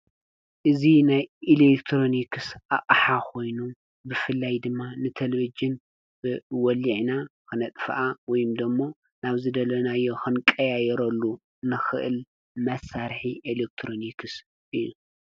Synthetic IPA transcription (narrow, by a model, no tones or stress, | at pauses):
ʔɨzinajilekt̪ʰɾo̞nikʰɨsʔaʔʼħako̞jnu | bɨfɨlːajd̪ɨmːanɨt̪ʰɐleβid͡ʒɨn | b̥ɨwɔliʕnakɨnɐt̪ʼfʔawɔjumd̪ɨmːo̞ | naβzɨd̪ɐlɐnajːo̞xɨnkʼɐjajɛɾɐlːu | nɨxɨʔɨl | mɐsaɾħiʔelek̚t̪ʰɾonikʰɨs | ʔɨjːu